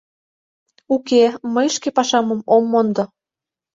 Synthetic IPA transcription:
ukeməjʃkepɑʃɑmɤ̆momːond̪ŏ

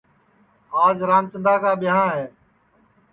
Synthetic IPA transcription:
aːzɾaːmt͡ʃənd̪aːkaːɓɪɦãːɦɛː

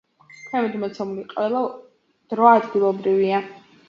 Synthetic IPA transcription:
tʰɛmɛd̪mɔt̪sʰɛmuliqʼvɛlˠa | d̪̥ɾɔaːd̪ɡilˠɔbɾivia

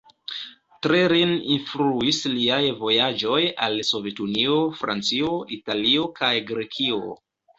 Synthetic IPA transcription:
tɾe̞ɾininfluisliajvo̞jad͡ʒo̞jalso̞ve̞tunio̞fɾa̰nt͡sio̞italio̞kajɡɾe̞kʰio̞̰

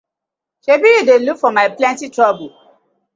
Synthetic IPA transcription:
ʃebijudelukfɔmaɪplɛ̃ntitɹɔbu

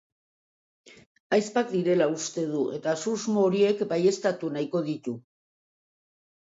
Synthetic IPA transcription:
ajspak̚d̪iɾe̞laust̪e̞ðue̞t̪asuzmooɾie̞kbaje̞st̪at̪unajko̞ð̞it̪u

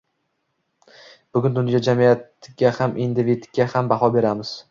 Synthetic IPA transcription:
b̥ʊɡʲʊnd̪ʊnjɒd͡ʒamijat̪ɡʲahamʔind̪ɪvit̪ɡʲahambahɒbe̞ɾamɪz̥

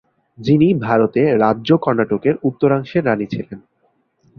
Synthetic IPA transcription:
d͡ʑinibʱaɾot̪eɾadːʑokɔɾnaʈokeɾut̪ːoɾaŋʃeɾːanit͡ɕʰilen

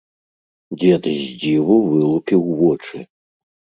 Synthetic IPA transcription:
d͡zʲɛd̪zʲd͡zʲivuvɨlˠupʲiwvɔt͡ʂɨ

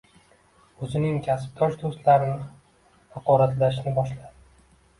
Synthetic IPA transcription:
ɵzɪnɪŋkʲʰasɪ̥p̚t̪ʰɒʃd̪ost̪laɾɪnɪ | hɑqɒɾat̪laʃnɪbɒʃlad̪ɪ

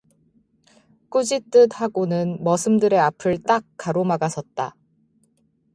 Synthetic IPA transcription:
k͈ud͡ʑit͈ɯd̚haɡonɯnmʌsʰɯmdɯɾe̞apʰɯɭt͈ak̚k͈ːaɾomaɡasʰʌt̚t͈a

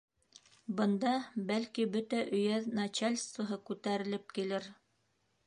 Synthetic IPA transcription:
bɤ̆nd̪ɑbælkibɵt̪æʔɵ̆jæðnat͡ɕalʲst̪ŏɦɤkʉt̪æɾɘ̆lɘp̚kilɘɾ

